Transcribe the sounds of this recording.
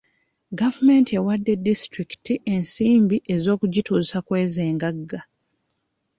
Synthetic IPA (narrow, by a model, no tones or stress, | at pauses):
ɡavume̞ntewadːe̞distɾiki̥tiʔe̞nsiːmbiʔe̞zo̞ːkuɟituːzsakwe̞ːzeːŋɡaɡːa